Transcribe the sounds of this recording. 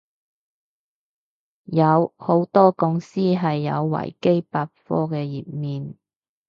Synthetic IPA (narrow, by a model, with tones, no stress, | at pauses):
jɐ˨˧who˨˥wt̪ɔː˥kʊ˧ŋsiː˥ɦɐ˨jːɐ̰˨˧wːɐ̰˨˩jke˥jpaː˧t̚fɔː˥kɛː˧jiː˨p̚miː˨n